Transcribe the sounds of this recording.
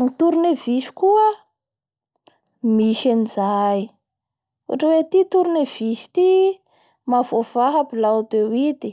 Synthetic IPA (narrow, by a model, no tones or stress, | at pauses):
ŋit̪uɾineviʃi̥kuə | miʃanizaj | ṵʈ͡ʂəwet̪it̪uɾinev̥iʃi̥t̪i | mavov̥aɦapilat̪ewit̪i